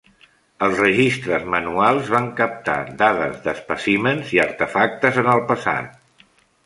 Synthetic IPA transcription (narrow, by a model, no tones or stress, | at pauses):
əlˠzrəʒist̪ɾəzmənualˠzβaŋkəp̚t̪a̰d̪aðəzðəspəsimənziəɾt̪əfak̚t̪əzənəlˠpəsa̰t̪̚